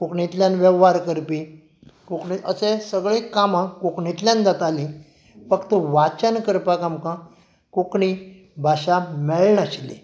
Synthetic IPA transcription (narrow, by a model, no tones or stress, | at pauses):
kokɳit̪ljanʋɛʋːaɾkəɾpi | kokɳit̪əsesəɡɭekamãkokɳit̪ljãnd̪at̪alĩ | fəkt̪əʋat͡ɕənkəɾpakamkã | kokɳi | bʱaɕamɛɭɳaɕlḭ